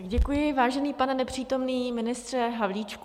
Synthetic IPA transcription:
ɡɟɛkujɪvaːʒɛniːpanɛnɛpr̥iːt̪o̞mniːmɪnɪst̪r̥ɛɦavliːt͡ʃk

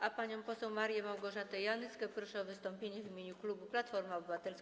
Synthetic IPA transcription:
ʔapaɲɔ̃w̃pɔsɛwmaɾjɛmawɡɔʐat̪ɛjanɘskɛpɾɔʂɛɔvɘst̪ɔmpʲjeɲɛvʲimʲjeɲuklubuplat̪fɔɾmaɔbɘvat̪ɛls

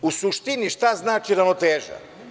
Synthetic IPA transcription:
usuʃt̪iniʃt̪aznaːt͡ʃiɾanot̪eːʒa̰

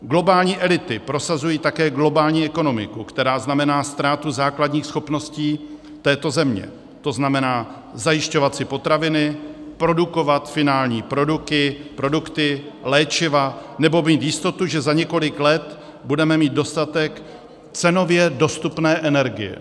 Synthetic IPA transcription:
ɡlo̞baːlɲiːʔɛlɪt̪ɪpɾo̞sazujiːt̪akɛːɡlo̞baːlɲiːɛko̞no̞mɪ̰kukt̪ɛɾaːznamɛnaːst̪ɾaːt̪uzaːkladɲiːxsxo̞pno̞sciː | t̪ɛːt̪o̞zɛmɲɛ̰ | t̪o̞znamɛnaː | zajɪʃco̞vat̪sɪpo̞t̪ɾavɪnɪpɾo̞duko̞vat̪fɪnaːlɲiːpɾo̞dukɪpɾo̞dukt̪ɪlɛːt͡ʃɪvanɛbo̞miːt̪jɪst̪o̞t̪uʒɛzaɲɛko̞lɪklɛt̪ | budɛmɛmiːd̪̚do̞st̪at̪ɛk | t͡sɛno̞vjɛdo̞st̪upnɛːʔɛnɛɾɡɪ̰jɛ̰

